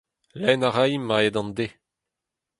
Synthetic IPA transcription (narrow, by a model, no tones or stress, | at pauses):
lɛnaʁajmːaed̪ɑ̃nd̪e